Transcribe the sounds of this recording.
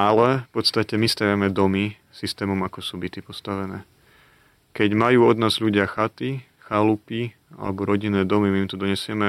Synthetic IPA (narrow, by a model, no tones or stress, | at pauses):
alɛfpɔt̪st̪acɛmist̪aʋɪamɛd̪ɔmi | sist̪ɛːmɔmakɔsuːbit̪ipɔst̪aʋɛnɛː | kɛɟmajuːɔd̪naːzʎuɟɪaxat̪i | xalupi | a̰lɛ̰bɔɾɔɟinɛːd̪ɔmimimt̪ɔd̪ɔɲɛsɪɛmɛ